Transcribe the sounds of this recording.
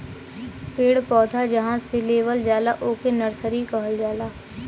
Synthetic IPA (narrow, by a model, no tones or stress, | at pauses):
peːɽpɔːd̪ʱad͡ʒɐɦãseleːʋəld͡ʒaːlaʔoːkenɐɾsəɾikəɦəld͡ʒaːlaː